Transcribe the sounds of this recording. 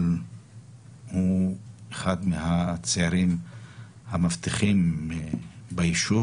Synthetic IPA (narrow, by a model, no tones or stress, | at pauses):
l | hueχad̪mehat͡seaɾim | hamavt̪iχim | baiʃu